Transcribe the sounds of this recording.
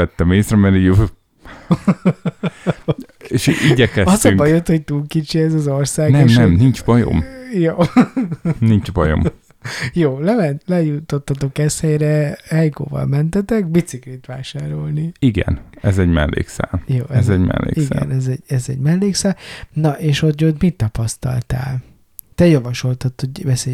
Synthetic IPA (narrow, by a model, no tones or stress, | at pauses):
ɛt̪ːɛmeːsɾɛmɛɾiɟ | eʃiɟɛkɛɒztɒyŋbɒjot̪hoc̚t̪uːlkit͡ʃiɛzɒzorsaːɡnɛenʃɛmnint͡ʃbɒjo̰mjoː | nint͡ʃbɒjo̰m | joːlɛmɛnt̪lɛjut̪ːo̞t̪ːɒt̪o̞kɛshɛjɾɛhɛjko̰ːvɒ̰lmɛnt̪ɛt̪ɛkbit̪siklit̪ʋaːʃaːɾo̞lniiɡɛ̰nɛzɛɟmɛlːʔḛːksa̰ːljoːɛzɛɟmɛ̰lːḛːisɡaɛ̰nɛzɛɟɛzɛ̰ɟmɛlːeːksaːlnɒʔeːʃot̪jot̪mit̪ːɒpɒst̪ɒ̰lt̪a̰ːl | t̪ɛjɒvɒʃo̞lt̪ɒt̪ːho̞ɟvɛseːj